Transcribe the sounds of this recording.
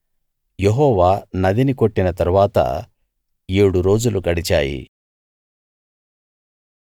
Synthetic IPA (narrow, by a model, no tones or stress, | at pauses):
jeɦɔːʋaːnɐd̪iniko̞ʈːinɐt̪ɐɾuʋaːt̪ɐ̰ | eːɽuɾo̞ːd͡ʒulukɐɽit͡ʃaːjḭ